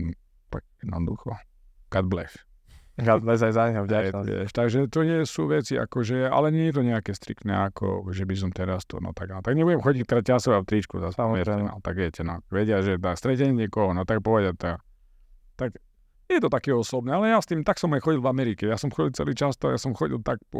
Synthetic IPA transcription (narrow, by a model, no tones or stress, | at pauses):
t̪aɡ̚jɛd̪nɔd̪ṵxɔ | kad̪̚blɛs | kad̪blɛzajzaɲaaʋɪ̰ɛ̰ʃt̪aɡʒɛt̪ɔɲɛsuːʋɛt͡sia̰kɔʒɛa̰lɛɲɛjɛt̪̬ɔɲɛakɛːst̪ɾḭk̚t̪nɛ̰akʰɔ̰ʒɛbis̬ɔmt̪ɛɾast̪ɔ̰nɔ̰t̪aɡanɔt̪aɡɲɛbuɟɛmxɔɟict̪ɾacasɔʋaft̪ɾit͡ʃkṵzaspaɛɾɛna̰lt̪aɡʋɛcɛnɔaʋɛɟɪaʒɛt̪ast̪ɾɛcɛɲɛɲɛkɔɦɔnɔt̪ak̚pɔʋɛɟɪat̪a | t̪ak | jɛt̪ɔt̪akɛːɔsɔbnɛalɛjast̪iːmt̪aksɔmajxɔɟilˠvamɛɾikɛjasɔmxɔɟilt͡sɛ̰liːt͡ʃast̪ɔajasɔmxɔɟḭlˠt̪ak̚pɔ